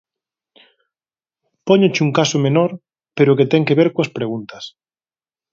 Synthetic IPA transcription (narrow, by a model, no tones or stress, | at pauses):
pɔɲot͡ʃuŋkasʊmenɔɾ | peɾʊket̪ɛŋkeβeɾkoɐspɾeɣunt̪ɐ̥s